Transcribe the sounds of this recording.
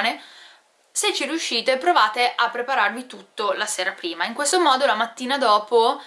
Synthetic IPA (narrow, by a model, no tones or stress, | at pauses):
ne | set͡ʃːiɾiuʃːiːt̪epɾovaːt̪eʔapːɾepaɾarvit̪ut̪ːolaseːɾapɾiːmaiŋkwest̪omɔːd̪olamat̪ːiːnad̪ɔːpo